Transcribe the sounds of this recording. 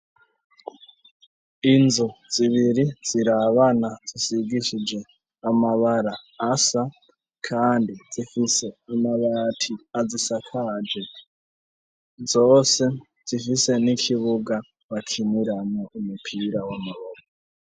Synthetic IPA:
inzod͡ziβiɾid͡ziɾaβanad͡zisiɡiʃid͡ʒe | amaβaɾaːsa | kʰaːndid͡zifiseamaβatʰiad͡zisakʰad͡ʒe | d͡zoːse | d͡zifise̞nikʰiβuɡa | βakʰiniɾanoumupʰiɾawamaβoko

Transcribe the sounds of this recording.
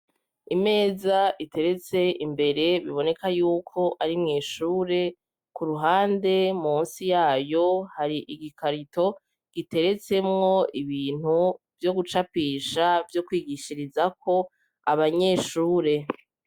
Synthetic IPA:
ime̞ːzaite̞ɾe̞t͡se̞imbe̞ɾe̞βiβo̞ne̞kʰajuːkʰo̞ʔaɾimŋiːʃuːɾe̞ | kuɾuɦaːnde̞muːnsijaːjo̞haɾiʔiɡikʰaɾitʰo̞ | ɡ̥ite̞ɾe̞t͡se̞mŋo̞iβiːn̥hu | vjo̞ɡut͡ʃapiːʃavjo̞kwiːɡiʃiɾizakʰo̞ | aβaɲe̞ːʃuːɾe̞

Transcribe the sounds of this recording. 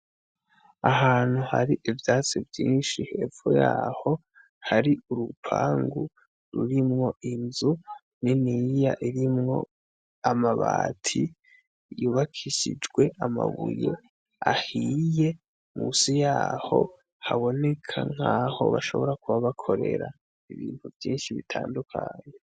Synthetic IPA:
aɦaːn̥huha̰ɾiʔivjat͡sivjiːnʃiheːfojaːho̞ | haɾiʔuɾupʰaːŋɡu | ɾuɾimŋo̞ʔinzu | ninijaʔiɾimŋo̞̰ | amaβaːtʰi | juːβakʰiʃid͡ʒɡwe̞ʔamaβuje̞̰ | ahije̞ | musijaːho̞ | haβo̞ne̞kʰaŋ̥haːho̞̰βaʃo̞̰βo̞ɾakuβaβakʰo̞ɾe̞ɾa | iβiːn̥huvjiːnʃiβitʰaːndukʰaɲe

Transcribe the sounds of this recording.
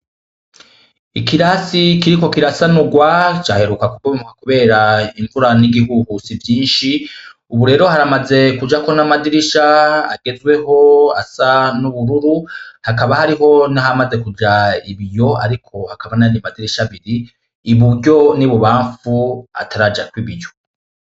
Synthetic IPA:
ikiɾasikiɾiko̞kiɾasanuɡwat͡ʃaːhe̞ɾukakuɡoimukakuβe̞ːɾaiɱvuɾaniɡiɦuhusivjiːnʃi | uβuɾe̞ːɾo̞haɾamaze̞kud͡ʒako̞namadiɾiʃaa̰ɡe̞zɡwe̞ho̞a̰sanuβuɾuɾuhakaβahaɾiɦo̞nihamaze̞kud͡ʒaiβijo̞a̰ɾikʰo̞hakaβananimadiɾiʃaβiɾiː | βuɾɟo̞niβuβaːɱfua̰tʰaɾad͡ʒakwiβijo̞

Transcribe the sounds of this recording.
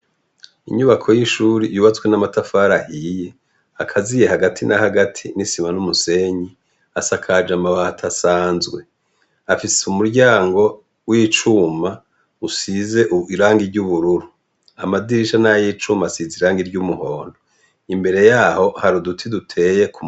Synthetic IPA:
ḭɲuβakʰo̞jiʃuːɾijuːβat͡skwe̞namatafaːɾahije | akʰazije̞haɡatʰinahaɡatʰinisimanumuse̞ɲi | asakʰad͡ʒamaβatʰasaːnzɡwe̞ | afisumuɾɟaːŋɡo̞ | wiːt͡ʃuːma | usize̞ʔuiɾaːŋɡiɾɟuβuɾuɾu | amadiɾiʃanajit͡ʃumasiziɾaːŋɡiɾɟumuho̞ːndo | imbe̞ɾe̞jaːho̞haɾudutʰidutʰe̞ːje̞kum

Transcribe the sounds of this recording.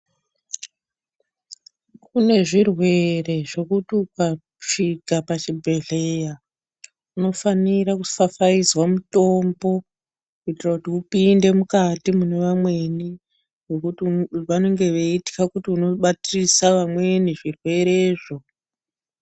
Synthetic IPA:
kune̞ʐirwe̞re̞ʐo̞kutiuka | ʂiɡapat͡ʃibʱe̞ɮe̞ja | uno̞faniɾakufafaizwamuto̞mbo̞ | kuitirakutiupinde̞mukatimune̞ʋamwe̞ni | ʋokutʋano̞ŋɡe̞ʋeiti̥kakutiuno̞ɓatirisaʋamwe̞niʐirwe̞ɾe̞ːʐo̞

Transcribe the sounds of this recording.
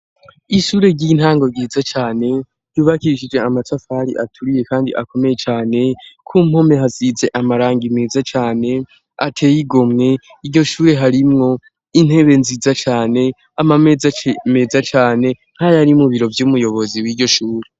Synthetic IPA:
iʃuːɾe̞ɾɟin̥haːŋɡo̞ɾɡiːzat͡ʃaːne̞ | ɾɟuːβakiɾiʃid͡ʒe̞amatafaɾḭʔatʰuɾije̞kaːndḭʔako̞me̞je̞t͡ʃaːne̞kʰum̥ho̞me̞ɦazize̞ʔamaɾaːŋɡimeːzat͡ʃaːne̞ | atʰe̞ːjiɡo̞mŋe̞ | iɾɟo̞ʃuːɾe̞ɦaɾimŋo̞ | in̥he̞βe̞nziːzat͡ʃaːne̞ | amamezame̞zat͡ʃaːne̞ | n̥hajaɾimuβiɾo̞vjuːmujo̞βo̞ziwiːɾɟo̞ʃuːɾe

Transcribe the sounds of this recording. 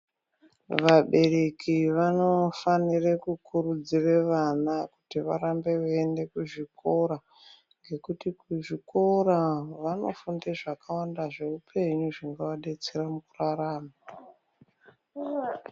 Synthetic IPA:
ʋaɓe̞re̞kiʋano̞fanirekukuɾud͡zireʋanaku̥tiʋa̰ɾambe̞uende̞kuʐiko̞ɾa | ŋɡe̞kutikuʐiko̞ɾaʋano̞̰fundeʐakʰawandaʐe̞upʰe̞ɲuʐiŋɡawaɗe̞t͡seramukuraraːma

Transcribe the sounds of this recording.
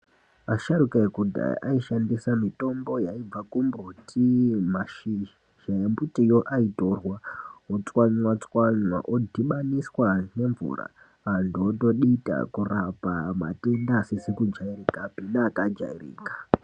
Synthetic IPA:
aʃaɾukaekudʱa̰ʔaiʃandisamito̞mbo̞jaib͡vakumbutʰimaʃi | ʃaembutijo̞ʔaito̞rwaot͡swaɲwat͡swaɲwa̰ʔodʱiɓaniswane̞ɱvṵra̰ː | ndoto̞ɗita̰kurapama̰te̞ndasisekud͡ʒairikapinaːkad͡ʒa̰irḭːkḁ

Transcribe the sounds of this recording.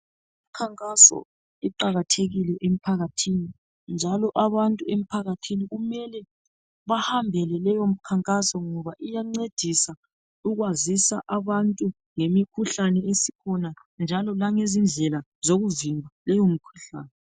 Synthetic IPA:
im̩kʰaŋkʼasɔ̰ | iǃaɣatʰeɣilɛʔem̩pʰaɣatʰini | nd͡ʒʱalɔʔaβantʼuem̩pʰaɣatʰiniɣumɛlɛ | βahambʱɛlɛlɛjom̩kʰaŋkʼasɔŋɔβaʔijaŋ͡ǀed̥ʱisa | uɣwazisaʔaβantʼu | ŋemikʰuɬanɛesi̥kʰɔna | nd͡ʒʱalɔlaŋezind͡ɮʱɛla | zoɣuvimbʱalɛjomikʰu̥ɬa̰ːnɛ

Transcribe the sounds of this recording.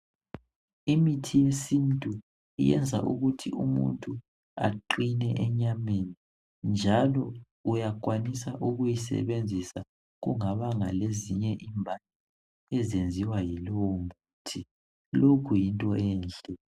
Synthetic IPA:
imitʰijesintʼu | ḭjɛ̰nd͡zʱa̰ʔṵɣutʰiumṵntʼu | a̰ǃinɛʔɛɲameni | nd͡ʒʱalɔ | ujak̬ʼwanisaʔuɣujisɛ̰βend͡zʱisa | ɣuŋaβaŋaleziɲɛʔimbʱalɛ | ɛzend͡zʱiwajilɔwɔmuːtʰi | lokʰujintʼɔɛːnd͡ɮʼɛ

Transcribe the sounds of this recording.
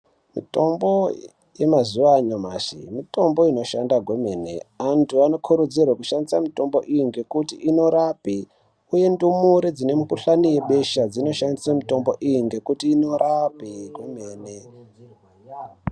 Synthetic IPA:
mḭto̞mbo̞ | je̞mazuʋaɲomaʃḭmito̞mbo̞ino̞ʃandaɡʱweme̞ːne̞̰antʰuano̞kʰuɾud͡zirwakuʃandisamito̞mbo̞ʔijiŋɡe̞kutḭʔinoɾapi | uje̞ndumuɾid͡zine̞mukuɬanije̞ɓe̞ʃad͡zino̞ʃandisamito̞mbo̞ʔijiŋɡe̞kutiːno̞ɾʔapiɡwemeːne

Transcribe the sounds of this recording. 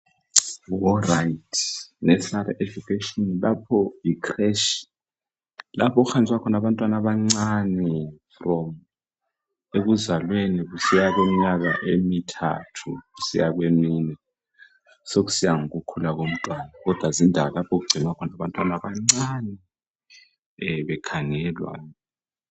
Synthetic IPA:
wɔrajtʰnɛsaɾɛʔɛvukʰeʃɔnlapʰɔikʰrɛʃi̥ | lapʰɔk̬uxand͡zʱwakʰɔnaɓantʼwanaɓaŋ͡ǀanifrɔm | ek̬uzalwenik̬usijak̬wemiɲak̬aʔemitʰa̰tʰuɣusḭjak̬weminɛ | sok̬u̥sijaŋuɣukʰulaɣom̩tʼwanaɣɔd̥ʱwazindʱawalapʰɔkuɡ͡ǀʱinwakʰɔnaβantʼwanaβaŋ͡ǀanɛ | βɛkʰaŋɛlwa̰n

